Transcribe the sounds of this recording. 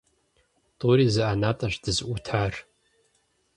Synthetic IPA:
tʼuɾizɨʔanatʼaʒʷdɨzʔʷutʰar

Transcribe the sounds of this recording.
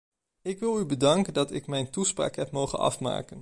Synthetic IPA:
ɪkʋɪlˠybədɑŋkəndɑtɪkmɛjntuspra̰ːkɦɛpmowχə̰nɑ̰fma̰ːkən

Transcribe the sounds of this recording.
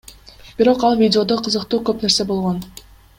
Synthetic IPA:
b̥iɾo̞qɑlˠvʲidʲɪo̞d̪oqʰɯzɯqt̪uːkøpne̞ɾse̞bo̞lˠʁo̞n

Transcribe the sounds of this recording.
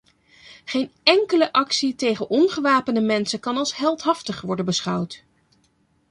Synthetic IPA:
χejnɛŋkələʔɑksitejχənʔɔnχəʋaːpəndəmɛnsəkɑnɑlˠsɦɛlˠtɦɑftəχʋɔɹdənbəsχɑwt

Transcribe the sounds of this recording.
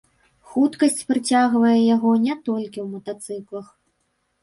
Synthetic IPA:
xut̪kɐsʲt͡sʲpɾɨt͡sʲaɣvɐjɛjaɣɔnʲɛt̪ɔlʲkʲiwmɐt̪at̪sɨklˠɐx

